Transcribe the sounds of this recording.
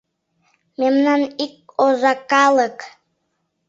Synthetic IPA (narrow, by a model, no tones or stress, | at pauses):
memnɑnik̚ozɑkɑlˠək